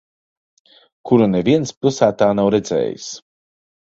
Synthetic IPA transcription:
kʰuɾuneviɛnspʲilˠsæːt̪aːnawɾɛd̪zɛ̰ːjḭs

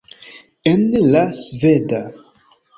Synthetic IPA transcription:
enlasveda

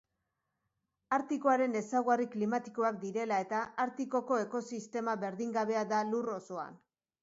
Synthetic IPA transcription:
aɾt̪ikoaɾe̞ne̞sawɣariklimat̪i̥ko̞ak̚d̪iɾe̞lae̞t̪aaɾt̪iko̞ko̞e̞ko̞sist̪e̞maβe̞ɾðiŋɡaβe̞aðaluro̞so̞a̰n

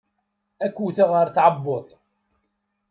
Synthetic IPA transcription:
ækʷːuθaʁəɾθʕəbːot̪ˤ

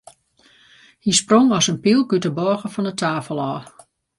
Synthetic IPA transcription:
hisproŋɔsənpilˠkytəbɔːɣəfɔnətʰaːfəlˠɔː

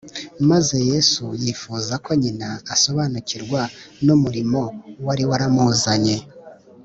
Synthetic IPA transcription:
maze̞je̞sujiːfuːzakoɲinaːso̞βanuciɾɡwanomuɾimo̞waɾiwaɾamuzaɲe̞

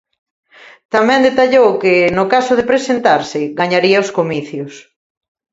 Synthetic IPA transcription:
t̪amɛ̃nd̪et̪aʎowkɪnʊkasʊðepɾesent̪aɾsɪɣaɲaɾiɐoskomiθjʊs

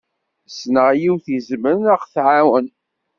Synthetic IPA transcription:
snəʁjiwθizmənəʁθʕawən

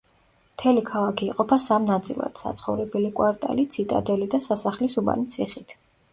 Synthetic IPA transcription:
mt̪ʰɛlikʰalˠakʰiːqʼɔpʰasamnat̪sʼḭlˠa̰d̪̥sa̰t̪sʰχɔvɾɛbɛlikʼwaɾt̪ʼa̰lit̪sʰit̪ʼa̰d̪ɛlid̪asasaχlisuba̰nit̪sʰiχit̪ʰ

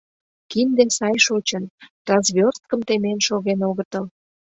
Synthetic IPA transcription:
kind̪esɑjʃot͡ɕənt̪rɑzβʲørs̚kəmt̪emenʃoɣenoɣət̪əl

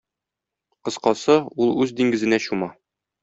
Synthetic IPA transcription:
qɤ̆sqɑsɤulˠʉzd̪iŋɡɘ̆zɘ̆næɕumɑ

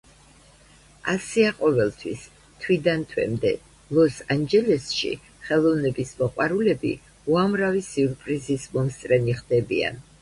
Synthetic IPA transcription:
asiaqʼɔvɛlˠt̪ʰwḭs | t̪ʰwid̪ant̪ʰwɛ̰md̪ɛ̰ | lˠɔsand͡ʒɛlɛsʃḭ | χɛlˠɔvnɛbismɔqʼwaɾulɛbḭ | uamɾavisuɾpʼɾizismɔmst̪sʼɾɛniχd̪ɛbḭa̰n

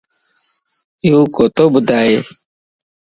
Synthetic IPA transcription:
juːkot̪obd̪aːe

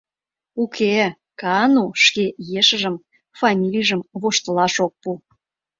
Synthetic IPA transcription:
ukʰe | kɑnuʃkejeʃə̆ʒə̆m | fɑmʲilʲijʒəmβoʃt̪əlɑʃok̚pu

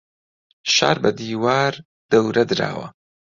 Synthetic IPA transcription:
ʃa̰ːɾbɐd̪iːwaːɾ | d̪̥ɐwɾɐd̪ɨɾa̰ːwɐ̰

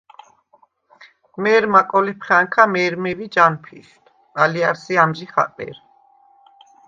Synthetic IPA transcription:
mɛːɾmakʼɔlipʰχaŋkʰamɛːɾmɛvid͡ʒanpʰḭʃt̪ʰ | aliaɾsiamʒiχa̰tʼmɛ̰ɾ

